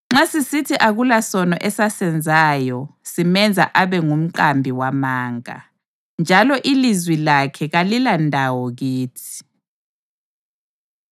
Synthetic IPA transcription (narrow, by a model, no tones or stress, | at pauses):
ŋ͡ǁasisitʰiʔaɣulasɔnɔʔɛsasɛnd͡zʱaːjɔsimɛnd͡zʱa̰ʔaβɛŋum̩ǃambʱiwamaːŋa̰ | nd͡ʒʱalɔʔilizwilakʰɛɣalilandʱawɔɣiːtʰi̥